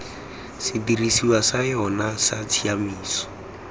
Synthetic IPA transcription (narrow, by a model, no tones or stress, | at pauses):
sidirisiwasajɔnasat͡sʰiamiːsɔ̥